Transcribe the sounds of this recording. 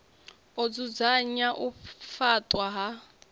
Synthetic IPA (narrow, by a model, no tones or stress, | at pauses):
ɔd͡zud͡zaɲaʔufatʼwaɦa